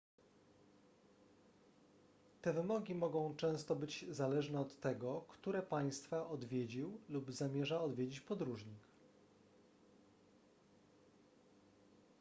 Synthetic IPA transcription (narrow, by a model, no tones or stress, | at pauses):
t̪ɛvɘmɔɡʲimɔɡɔ̃w̃t͡ʂɛ̃st̪ɔbɘd͡ʑzalɛʐnɛɔt̪ːɛɡɔkt̪uɾɛpaj̃st̪faʔɔd̪vʲjed͡ʑiwlubzamʲjɛʐaɔd̪vʲjed͡ʑit͡ɕpɔd̪ɾuʐɲik